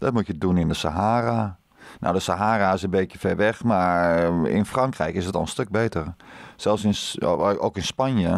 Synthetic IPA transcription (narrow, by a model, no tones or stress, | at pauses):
dɔt̚mutjədunɪndəsa̰ɦaːra | no̰wdəsaɦaːraɪsənbeːtjəfɛrʋɛxmaɹɪ̰nfrɔŋkrɛjkɪsətɔnˠənstøk̚beːtərsɛlˠfsɪnokɪnspanjə